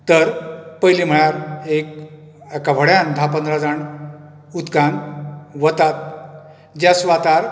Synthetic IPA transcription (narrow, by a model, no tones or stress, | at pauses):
t̪əɾpəjlim̤əɽ̃aɾek | akaʋʱəɽjãnd̪ʱapənd̪ʱɾad͡zaɳ | ut̪kãnʋət̪at̪̚ | d͡ʑasʋat̪aɾ